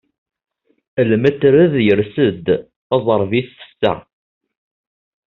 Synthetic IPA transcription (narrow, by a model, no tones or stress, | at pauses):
əlmæt͡sːɾæðjəɾsəd̪ | ɑzˤəɾˤviθθə̥sːæ̰